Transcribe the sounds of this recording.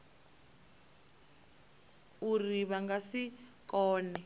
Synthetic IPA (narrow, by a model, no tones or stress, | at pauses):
uriβaŋɡasikɔːnɛ